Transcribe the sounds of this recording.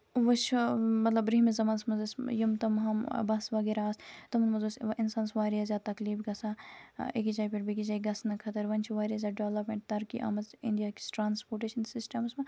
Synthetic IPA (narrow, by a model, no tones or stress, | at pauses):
ʋɐʃmɐt̪lɐbɾiːmizɐmaːnsmɐzɐsjimt̪ɐmɦɐm̰bɐsʋɐːɡeɾaːst̪ɐmnmɐzɐsʔinsaːnsʋaːɾijazʲjaːt̪ɐkliːbɡɐsaːekit͡ʃaːipeʈbikit͡ʃaːiɡɐsnɐkʰɐt̪ɐɾʋɐnt͡ʃʰʋaːɾijaːzʲjaːɖoːlɐpmeɳʈ̚t̪ɐɾkḭʔɐ̰mɐzɪ̰nd̪ijaːki̥sʈɾaːnspoːɾʈeːʃɐnsɪsʈɐmsmɐ̃